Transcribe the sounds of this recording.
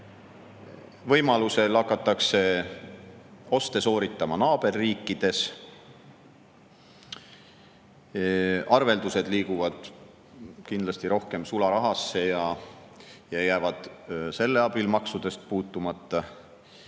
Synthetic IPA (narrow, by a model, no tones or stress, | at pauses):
vɤjmɑluse̞lɑkːˑɑt̪ːˑɑkse̞ | o̞st̪e̞so̞ːɾit̪ːˑɑmɑnɑːb̥e̞rːiːkːid̪̥e̞s | ɑrve̞ld̪use̞d̪̥liːɡuvɑd̪̥ | kind̪lɑst̪iɾo̞hke̞msulɑɾɑɦɑsːe̞jɑ | jɑjæːvɑd̪̥se̞lːe̞ɑb̥ilmɑksud̪̥e̞st̪̚puːt̪ːˑumɑt̪ˑːɑ